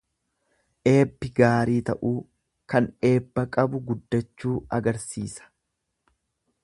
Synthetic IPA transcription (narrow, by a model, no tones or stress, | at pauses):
ʔe̞ːbːɪɡaːɾiːt̪ɐʔuː | kɐne̞ːbːɐkʼɐbʊɡʊd̪ːɐt͡ʃːuːɐɡɐɾsḭːsɐ̥